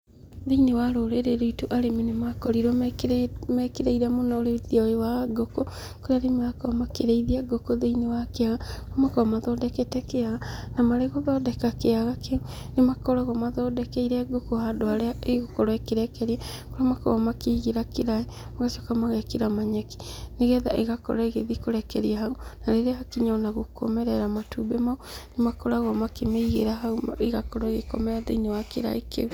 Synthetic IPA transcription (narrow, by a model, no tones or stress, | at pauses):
ðeinewaɾoɾeɾeɾoitoʔaɾeminemakɔɾiɾwɔ | mɛkeɾeiɾamonaoɾeðiaoewaɡoko | koɾeaɾemɣakɔmakeɾeiðiaɡokoðeinewakeaɣamakɔamaðɔːdɛkɛtɛkeaɣanamaɾeɣoðɔdɛkakeaɣakʰe | nemakɔɾaɣɔmaðɔdɛkɛiɾɛɡokohadoaɾeaeɣokɔɾɔekeɾɛkɛɾiɛkoɾamakɔ̰ɣɔmakiɣeɾakeɾaemaɣaʃokamaɣɛkeɾamaɲɛki̥neɣɛðaʔeɣakɔ̰ɾaɛɣeðikoɾɛkɛɾiaɦaunaɾeɾeahakiɲaonaɣoko̰mɛɾɛɾamatubɛmaonemakɔɾaɣɔmakemeiɣḛɾaɦaumeɣakɔɾɔeɣḛkɔmɛadḛinewakḛɾa̰ekḛu